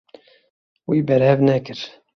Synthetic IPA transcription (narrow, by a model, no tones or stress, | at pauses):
wiːbɛɾhɛvnɛkɨɾ